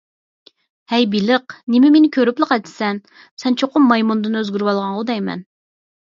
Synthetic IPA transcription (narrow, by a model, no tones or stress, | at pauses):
hɛjbilɨqnɪmɪmenɪkʲʰøɾyplˠəqɛt̪ɪ̥sɛn | sɛnt͡ʃʰoqʊmːɑjmund̪ɨnøzɡʲyɾwɑlˠʁɑɴʁʊd̪ɛjmɛ̰n